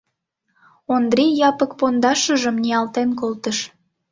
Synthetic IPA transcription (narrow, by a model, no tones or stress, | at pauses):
ond̪ɾijɑpək̚pond̪ɑʃəʒəmniɑlt̪enkolt̪əʃ